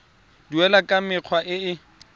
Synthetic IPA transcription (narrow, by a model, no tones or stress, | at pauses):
duɛlakʼamɪq͡χʰwaʔɪɪ